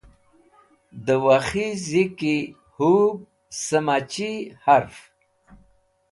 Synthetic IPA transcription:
d̪əwaxiziki | hub̚ | səmat͡ʃihaɾf

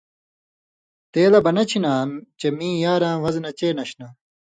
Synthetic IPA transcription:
t̪eːlɐbɐnɐt͡ɕʰinaːmt͡ɕemĩːjaːɾãːʋɐznɐt͡ɕeːnɐɕna

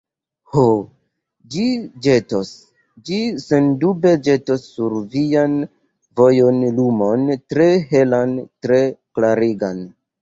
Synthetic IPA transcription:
ho | d͡ʒid͡ʒe̞tos | d͡ʒisendube̞d͡ʒe̞tosːuɾvian | vo̞jo̞nlumo̞ntɾe̞ɦe̞lantɾe̞klaɾiɡan

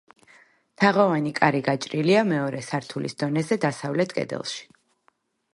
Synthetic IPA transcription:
t̪ʰaʁɔvanikʼaɾiɡat͡ʃʼɾiliamɛɔɾɛsaɾt̪ʰulḭsd̪ɔnɛzɛd̪asavlɛt̪ʰkʼɛ̰d̪ɛ̰lˠʃi̥

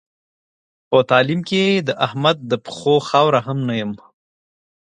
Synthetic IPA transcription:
pət̪ɑːlimked̪əʔahmad̪̚ːəpxoxɑwɾaɦamnajəm

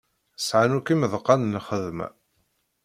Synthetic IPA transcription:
sʕanukiməðəqːɑnnχəðmæ̰

